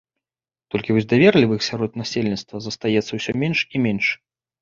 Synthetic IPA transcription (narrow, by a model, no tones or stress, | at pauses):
t̪ɔlʲkʲivɔzʲd̪avʲɛrlʲivɨxsʲaɾɔt̪nasʲelʲnʲit̪st̪vɐzɐst̪ajɛt̪sːɐwsʲɔmʲɛnʂimʲɛnʂ